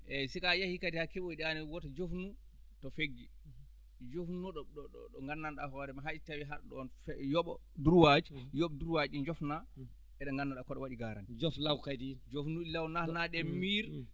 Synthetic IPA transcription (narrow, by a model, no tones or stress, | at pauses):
ʔɛsikajahikadihakɛɓoiɗianɛwɔtad͡ʒofnu | tɔfeɡːi | d͡ʒofnunɔɗɔɗɔɔɗɔŋɡanːanɗahɔɾɛmaɦaitawiɦaɗɗɔɔnɛjɔɓɔ̰ | duɾwad͡ʒijɔɓɔduɾwad͡ʒind͡ʒɔfna | ɛɗɛŋɡanːaɗakɔɗɔwaɗiɡaɾa̰nd͡ʒoflawkadid͡ʒofnuɗilawnanaɗɛmiɾ